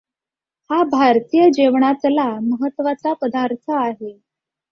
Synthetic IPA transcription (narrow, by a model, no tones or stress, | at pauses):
habʱaɾt̪ijəd͡ʑeʋɳat̪laməɦət̪ːʋat͡sapəd̪aɾt̪ʰəaɦe